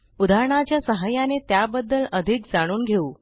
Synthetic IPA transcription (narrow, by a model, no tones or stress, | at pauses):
ud̪aɾɳ̃at͡ɕjasəɦajanet̪jabəd̪ːələd̪ʱikd͡zaɽ̃uːnɡʱeuː